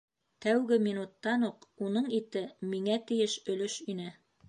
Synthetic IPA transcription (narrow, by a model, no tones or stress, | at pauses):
t̪æwɡɘminut̪ːɑnuqunɤɴit̪ɘmiŋæt̪ɘ̆jɘʃɵ̆lɵʃinɘ